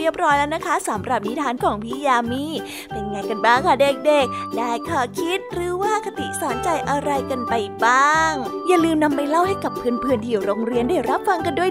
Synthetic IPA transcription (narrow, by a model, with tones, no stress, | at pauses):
i˥˩əp̚ɾɔː˦˥jlɛː˦˥wna˦˥kʰa˦˥sa˨˩˦mɾa˨˩p̚ni˦˥t̪ʰaː˧˥˩nkʰɔː˩˦ŋpʰiː˦˥jaː˧miː˧˩ | pe˧nŋaː˧˩jka˧nbaː˥˩ŋkʰa˥˩de˨˩k̚de˨˩k̚daː˧˥˩jkʰaː˧˩kʰi˦˥t̪̚ɾɯː˩˦waː˥˩kʰa˧t̪ḭ˨˩saː˩˦nt͡ɕa˧jʔa˧ɾa˧jka˧npa˧jbaː˥˩ŋjaː˨˩lɯː˧mna˧mːa˧˩jla˥˩wha˥˩jka˨˩pʰːɯː˧ənpʰɯ˧ənt̪ʰi˨˩əwɾoː˧ŋɾi˧əndaː˥˩jɾa˦˥p̚fa˧ŋka˧ndu˥˩ə